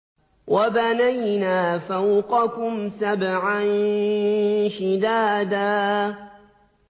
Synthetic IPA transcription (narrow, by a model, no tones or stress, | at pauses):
wʔabanajnaːfawqɑkʊmsabʕan | ʃɪd̪aːd̪aː